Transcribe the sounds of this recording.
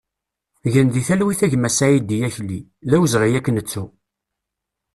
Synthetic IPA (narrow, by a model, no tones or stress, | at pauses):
ʝənðiθælwiθæʝmæsajid̪ijæçlːi | ðæwəzʁijækːənət͡sːu